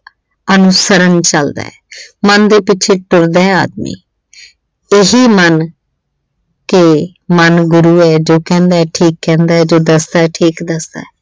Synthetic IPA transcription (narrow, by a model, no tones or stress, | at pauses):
ənʊsəɾənt͡ʃəld̪a̰ːɛ̰ːmənd̪eːpɪʃʰeːʈʊɾd̪aːɛa̰ːd̪̚mḭː | ɪɦiːmən | ke | mənɡʊɾuːɛːd͡ʒoːkɛ̃ːnd̪aːɛːʈʰiːkːɛ̃ːnd̪aːɛːd͡ʒoːd̪əsd̪aːɛːʈʰiːkd̪əsd̪a̰ːɛː